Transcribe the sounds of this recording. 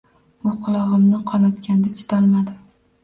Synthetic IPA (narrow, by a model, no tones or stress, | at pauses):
ʊqʰʊlˠɒʁɨmnɪqʰɒnɒt̪kʲand̪at͡ʃʰʊ̥d̪ɒlmad̪ɪm